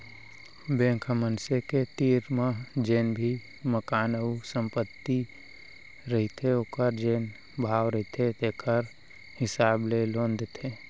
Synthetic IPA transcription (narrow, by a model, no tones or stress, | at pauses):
bẽːŋkʰmənseket̪iːɾmad͡ʒeːnbʱi | məkaːnəusə̃mpət̪ːi | ɾəɦit̪ʰeɦoːkəɾd͡ʒeːn | bʱaːwɾəɦit̪ʰet̪eːkʰəɾ | hɪsaːblelõːnd̪t̪ʰeː